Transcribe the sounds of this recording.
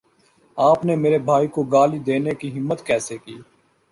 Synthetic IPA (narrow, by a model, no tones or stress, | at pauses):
aːpnemeːɾebʱaːikoɡaːlid̪eːnekiɦɪmːət̪kɛːsekiː